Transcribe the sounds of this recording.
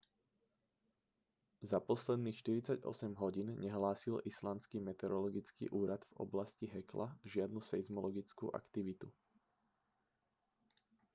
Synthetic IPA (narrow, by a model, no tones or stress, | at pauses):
zapɔslɛd̪niːxʃt̪iɾit͡saɟɔ̰sɛmɦɔɟiːnɲɛɦlaːsilislanskimɛt̪ɛɾɔlɔɡit͡skḭːʔuːɾad̪vɔ̰blasciɦɛkla̰ʒɪad̪nusɛzmɔlɔɡit͡skṵːʔa̰kt̪iʋit̪u